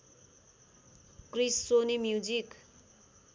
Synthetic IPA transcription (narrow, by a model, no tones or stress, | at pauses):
krisːonimjud͡zik